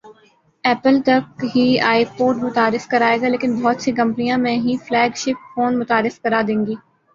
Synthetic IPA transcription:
ɛːpəlt̪ɐkɦiaːipoːʈmʊt̪aːɾɪskɐɾaːeːɡaːleːkɪnbɔːt̪sekɐ̃mpnijãmẽɦiflɛːɡʃɪp̚foːnmʊt̪aːɾɪskɐɾaːd̪ẽːŋɡiː

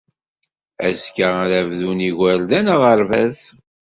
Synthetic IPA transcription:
æ̰skəðævðuniʝæɾðænəʁəɾvæs

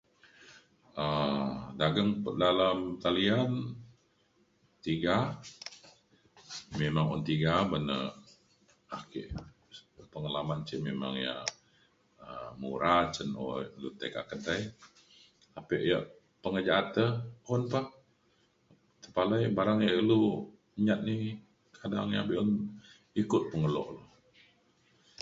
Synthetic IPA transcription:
ədaɡəŋpədalamk̪alian | t̪iɡa | memaŋɔ̰nt̪iɡabənə̰ | akiʔ | pəŋalamant͡ʃiʔmema̰ŋja̰ | əmṵɾat͡ʃənɔ̰lṵt̪ḛka̰ʔkədaj | apəʔjəʔ | pəŋəd͡ʒaʔat̪əɔnpah | t̪əpaləjbaɾaŋjaʔəlu | ɲat̪̚ni | kʰadaŋjabiʔɔn | ikʊt̪̚pəŋəlɔ̰ʔlo

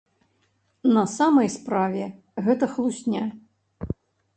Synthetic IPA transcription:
nɐsamɐjspɾavʲɛ | ɣɛt̪ɐxlˠusʲnʲa

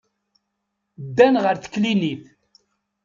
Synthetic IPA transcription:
d̪ːænʁəɾθə̥kːliniθ

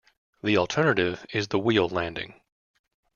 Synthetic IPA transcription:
ðilˠtʰɜ˞nɨɾɪvɪzðəwilˠlæ̃ndɪ̰̃ŋ

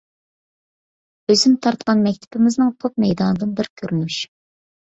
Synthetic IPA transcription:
øzɪnt̪ʰɑɾt̪qɑnmɛk̚ʲt̪ʰɪ̥pɪmɪznɨŋt̪ʰop̚mɛjd̪ɑːnɨd̪ɨnbɪɾkʲʰøɾynyʃ

